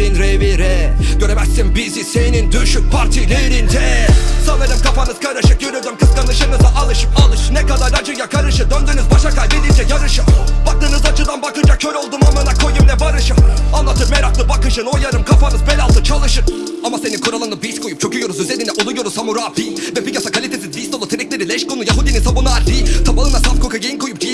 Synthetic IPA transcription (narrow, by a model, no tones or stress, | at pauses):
ɾinɾeviɾɛɟøɾemɛsimbizisenind̪yʃyk̚pʰaɾt̪ʰilʲeɾind̪ɛsanaɾɯmkʰafanɯz̥kʰaɾɯʃɯk̚jøɾyɾd̪ymkʰɯskanˠɯʃɯnɯzaʔalˠɯʃɯpalˠɯʃɯnɛkad̪aɾad͡ʒɯjakʰaɾɯʃɯd̪ønd̪yːnyzbaʃakalʲbid̪ind͡ʒɛjaɾɯʃɯbak̚t̪ɯːnɯzat͡ʃʰɯd̪anbakɯnd͡ʒacʰøɾolˠd̪umamɯnakʰo̞jumlɛbaɾɯʃɯanlˠat̪ʰɯɾmeɾaklˠɯbakɯʃɯno̞jaɾɯmkʰafanɯzbelʲalˠt̪ʰɯt͡ʃʰalˠɯʃɯɾ | amase̞ninkʰuɾalˠanɯbiskʰojup̚t͡ʃʰo̞kʰujo̞ɾuzyzelʲind̪ɛʔolˠujo̞ɾuzsamuɾaːbivɛbiasakʰalʲit̪ʰesizvist̪out̪ʰeɾɛcʲlʲe̞ɾilʲɛʃkonujaɦud̪ininsabunalʲit̪ʰabalˠɯnasafkʰokajejinkʰojup̚d͡ʒi